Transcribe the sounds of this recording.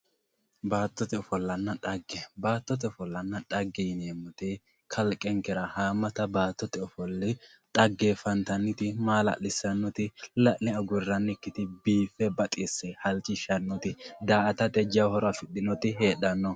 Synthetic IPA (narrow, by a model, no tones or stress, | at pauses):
baːt̪ːɔt̪ɛɔfɔlːɐnːɐᶑɐɡːɛbaːt̪ːɔt̪̬ɛɔfɔlːɐnːɐᶑɐɡːɛjɪneːmːɔt̪ɛ | kʰɐlkʼɛŋkːɛɾɐhaːmːɐt̪ɐbaːt̪ːɔt̪ɛɔfɔlːɪ | ᶑʼɐɡːefɐnt̪ɐnːɪt̪ɪmaːlɐ̰lɪsɐnːɔt̪ɪlɐʔnɪɐɡʊrːɐnːɪkːɪt̪ɪbiːfːɛbɐt̪ʼɪsːɛhɐlt͡ʃːɪʃɐnːɔt̪ɪd̪aːʔɐt̪ɐt̪ɛd͡ʒɐwhɔɾɔɐfɪɗɪnɔt̪ɪɦeːɗːɐnːɔ